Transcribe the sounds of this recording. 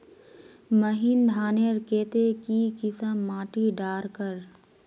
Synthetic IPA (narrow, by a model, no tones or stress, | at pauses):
məɦɪnd̪ʱaːneɾkeːt̪ekikɪsəmːaːʈiɖaːɾkəɾ